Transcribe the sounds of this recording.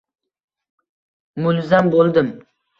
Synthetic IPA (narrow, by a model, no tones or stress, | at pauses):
mʊlzambolˠd̪ɪm